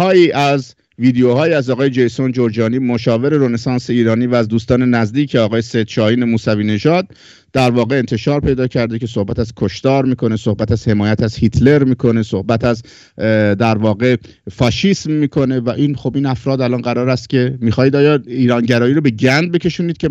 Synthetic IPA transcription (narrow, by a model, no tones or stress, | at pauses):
hɒːjiːʔæz | viːd̪ejohɒːjiæzɒːɣɒːjed͡ʒe̞jsond͡ʒoɾd͡ʒɒːniːmoʃɒːve̞ɾe̞ɾonesɑːnseiːɾɒːniːvæːzd̪uːst̪ɒːne̞næzd̪iːcʰeɒːɣɒːjesed̪t͡ʃɒːiːnemuːsæviːne̞ʒɒːd̪̚ː | æɾvɒːɣe̞ːnt̪ʰe̞ʃɒːɾpʰe̞jd̪ɒːcʰæɾd̪e̞cʰe̞so̞hbæt̪æz̥kʰo̞ʃt̪ɒːɾmiːkʰo̞ne̞sohbæt̪æz̥he̞mɒːjæt̪ʰæzhit̪ʰle̞ɾmiːkʰo̞ne̞so̞hbæt̪ʰæz | d̪æɾvɒːɣe̞ | fɒːʃiːsmːiːkʰo̞ne̞væʔiːnxo̞biːnæfɾɒːd̪ælɒnɢæɾɒːɾæst̪̚cʲʰe̞miːxɒːjiːd̪ɒːjɒːiːɾɒːnɟæɾɒːjiːɾobe̞ɟænd̪̚be̞ce̞ʃuːnid̥̪̚cʰe̞